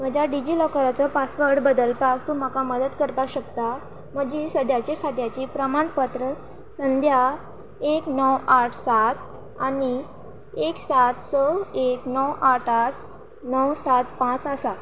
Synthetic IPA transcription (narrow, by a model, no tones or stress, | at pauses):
m̤əd͡ʑaɖid͡ʑiːlɔkəɾat͡sɔpasʋəɾɽbəd̪əlpak̚t̪um̤akaməd̪ət̪kəɾpaɕəkt̪a | m̤əɡd͡ʑisəd̪ʱjat͡ɕikʰad̪jat͡ɕiːpɾəmaɳpət̪ɾə | sənd̪ʱja | eknɔwaʈʰsat̪ | ani | eksat̪səeknɔwaʈʰaʈ̪̚ʰ | nɔwsat̪pãt͡səsa